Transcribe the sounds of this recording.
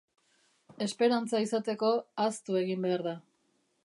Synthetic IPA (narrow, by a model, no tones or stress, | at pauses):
e̞spe̞ɾant͡saisat̪e̞ko̞ast̪ue̞ɣimbe̞aɾða